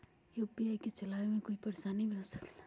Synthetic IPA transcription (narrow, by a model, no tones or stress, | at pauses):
jopijajket͡ʃɐlaːʋemẽkoipɐɾsanibʱiɦosəkl